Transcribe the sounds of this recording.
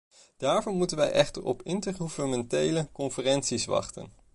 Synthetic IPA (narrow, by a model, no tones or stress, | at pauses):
d̥aːɹvɔnmutənʋɛjʔɛχtəɹɔ̰pɪntəɹχuvənəmɛntejləkɔnfərɛntsisʋɑ̰χtə̰n